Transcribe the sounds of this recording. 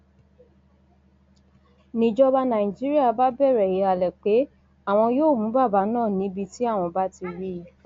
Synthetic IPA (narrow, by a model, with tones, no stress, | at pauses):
nĩ˨d͡ʒɔ˧ba˧nã˨i˨d͡ʒi˦ɾi˦a˦˨ba˦bɛ˦˨ɾɛ˨ji˨˦a˨lɛ˨k͡pe˨˦ | a˦˨w̃ɔ̃˧joː˦˨mũ˨˦ba˦˨ba˨˦nãː˦˨nĩ˨˦bi˧ti˦a˦˨w̃ɔ̃˧ba˦ti˧ɾi˦i˨˦